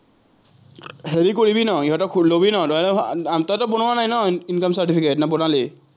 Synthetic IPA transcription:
heɹikoɹibinɔiɦɔtɔkʰlobinɔdɔjɛlɔatɔtɔbonʊanajnɔinkɔmsatipʰiketnabɔnali

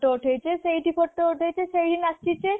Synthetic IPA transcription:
oʈʰejt͡ɕʰeʃejʈipʰoʈːeoʈʰejt͡ʃʰeʃejɖinast͡ʃʰit͡ɕe

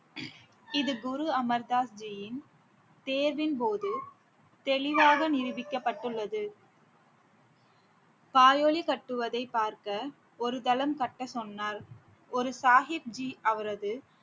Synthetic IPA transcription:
ɪðɯɡʊɾuɐmɐɾd̪aːsd͡ʒɪjɪn | t̪eːɾʋɪnpoːðɯ | t̪ɛlɪʋaːɣɐnɪɾɯʋɪkːɐpːɐʈːɯɭːɐðɯ | paːjoːɭikɐʈːɯʋɐðɐɪpːaːɾkɐ | ɔɾɯd̪ɐlɐmkɐʈːɐsɔnːaːɾ | ɔɾɯsaːɦɪb̚d͡ʒiʔɐʋɐɾɐðɯ

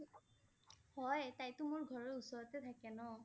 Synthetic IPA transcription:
hɔjtajtʊmʊɹɡʱɔɹɔɹusɔɹɔtɛt̪ʰakɛnɔ

